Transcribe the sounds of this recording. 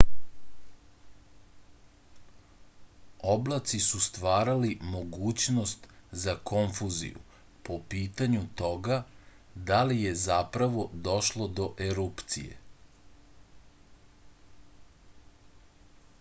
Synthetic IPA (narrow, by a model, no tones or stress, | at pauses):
oblat̪sisust̪ʋaːɾalimo̞ɡuːt͡ɕno̞st̪zako̞ɱfuzḭjṵ | po̞piːt̪aɲut̪o̞ɡa | d̪alije̞zapɾaʋo̞d̪o̞ʃlo̞d̪o̞ʔeɾupt̪sḭjḛ